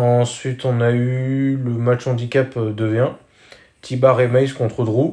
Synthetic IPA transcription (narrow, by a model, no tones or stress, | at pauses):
ɑ̃sɥit̪ɔ̃nayləmat͡ʃɑ̃d̪ikʲapd̪əvjɛ̃ | t̪ʰibaʁemajskɔ̃t̪χəd̪ʁu